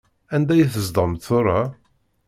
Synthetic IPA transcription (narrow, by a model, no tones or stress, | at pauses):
ænd̪æjθəzd̪ˤəmt̪θʊɾˤɑ